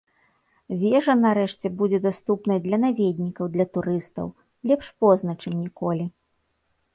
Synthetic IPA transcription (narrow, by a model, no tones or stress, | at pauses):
vʲɛʐɐnaɾɛʂt͡sʲɛbud͡zʲɛd̪ast̪upnɐjd̪lʲɐnavʲed̪ʲnʲikɐwd̪lʲɐt̪uɾɨst̪ɐ̰w | lʲɛpʂpɔznɐt͡ʂɨmnʲikɔlʲi